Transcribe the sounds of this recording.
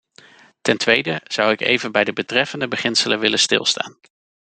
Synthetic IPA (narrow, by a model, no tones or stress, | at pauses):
tɛntʋejdəz̥ʌwɪkḛjvənbɛjdəbətrɛfəndəbəχɪnsələnʋɪlənstɪ̰lˠsta̰ːn